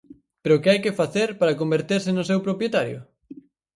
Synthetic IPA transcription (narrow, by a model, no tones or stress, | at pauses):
peɾʊkɪajkefaθeɾpaɾɐkombeɾt̪eɾsɪnʊs̬ewpɾopjet̪aɾjʊ̰